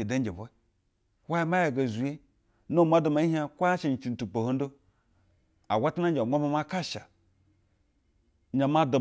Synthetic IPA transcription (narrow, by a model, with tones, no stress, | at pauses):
e˨da˦n˦d͡ʒe˨bo˦ | wa˦ma˦ja˨ɡa˨zu˨je˦ | no˦˨ma˦do˨ma˨˦i˦ɦa˦kʷa˦a˦ʃe˨t͡ʃi˨n̩˨tu˨k͡po˨ho˦n˦do˦ | a˨wʷa˦ta˦na˦nd͡ʒʷa˦ma˦ma˦ka˦ʃa˨ | ɲa˨ma˦do˨